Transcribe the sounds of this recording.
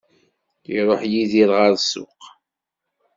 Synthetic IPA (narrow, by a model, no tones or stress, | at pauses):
iɾˤoħjiðiɾʁaɾsʊ̰q